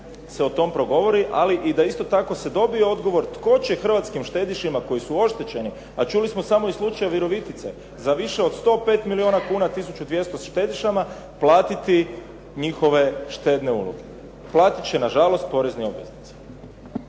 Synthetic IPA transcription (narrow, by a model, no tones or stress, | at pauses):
seo̞t̪o̞mpɾo̞ɡo̞ʋo̞ɾiʔa̰liʔid̪aist̪o̞t̪ako̞se̞d̪o̞bieo̞d̪ɡo̞ʋo̞ɾt̪ko̞t͡ɕe̞xr̩ʋat̪skimʃt̪e̞d̪iʃimako̞jisuo̞ʃt̪et͡ɕe̞ni | at͡ʃulismo̞samoislˠut͡ʃajaʋiɾo̞ʋit̪it̪se̞̰ | zaʋiʃe̞o̞d̪st̪o̞ːpe̞ːt̪milio̞nakuːnat̪isut͡ʃud̪ʋje̞st̪osʃt̪e̞d̪iʃama | plˠaːt̪it̪i | ɲixo̞ʋe̞ʃt̪e̞d̪ne̞ṵlo̰ɡe̞ | plˠaːt̪it͡ʃe̞naʒalo̞st̪̚po̞ɾe̞znio̞̰bʋḛznit̪se̥